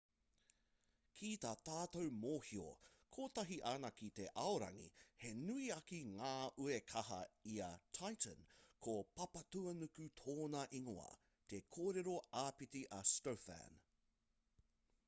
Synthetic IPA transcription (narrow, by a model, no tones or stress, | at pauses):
kʰit̪at̪aːt̪owmoːhio̰kʰoːt̪ɐɦiʔaːnɐkit̪e̞ʔɐoɾɐ̰ŋḭhe̞nuiɐkiŋaːʔuekʰɐɦɐ̰iɐt̪ʰajt̪ə̰nkʰopɐpɐt̪uɐnukʉt̪ʰoːnɐʔiŋoɐ̰ | t̪ekʰoːɾeɾo̞aːpitiʔɐstowfæ̰n